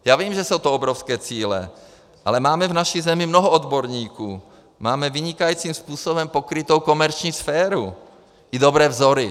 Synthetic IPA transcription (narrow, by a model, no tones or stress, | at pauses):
jaːviːmʒɛsowt̪oobɾofskɛːt͡siːlɛ̰ | ʔalɛmaːmɛvnaʃizɛmɪmnoɦoʔod̪boɾɲiːkuː | maːmɛvɪɲɪkajiːt͡siːmspuːsobɛmpokɾɪt̪owko̞mɛɾt͡ʃɲiːsfɛːɾu | ʔɪdobɾɛːvzoɾɪ